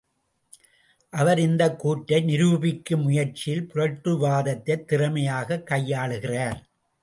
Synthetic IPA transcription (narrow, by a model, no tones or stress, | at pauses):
ʔɐʋɐɾɪnd̪ɐkːuːʈːɐɪnɪɾuːbɪkːɯmʊjɐɾt͡ʃɪjɪlpʊɾɐʈrɯʋaːðɐt̪ːɐɪt̪ːɪrɐmɐjaːɣɐkːɐjːaːɭɯɣɪraːɾ